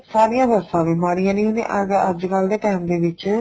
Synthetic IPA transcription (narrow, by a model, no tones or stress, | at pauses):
saːɾijãːd̪əsãːʋɪmaːɽijãːnĩːɦʊnḛ̃ːʔəɡəd͡ʒkəld̪eːʈɛːmd̪eːʋɪt͡ʃ